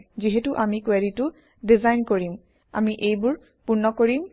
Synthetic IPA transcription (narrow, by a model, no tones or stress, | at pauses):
ziɦɛtʊʔamikwɛditʊ | dizajnkoɹim | a̰miʔejbʊɹ | puɹnːɔkoɹim